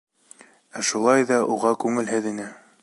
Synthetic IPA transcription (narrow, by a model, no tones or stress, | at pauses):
æʃulˠɑjðɑʔuʁɑkʉŋɘ̆lɦɘðinɘ